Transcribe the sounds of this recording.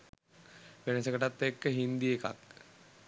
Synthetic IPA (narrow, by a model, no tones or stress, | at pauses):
ʋenəsəkəʈat̪ːekːəɦind̪ieka̰k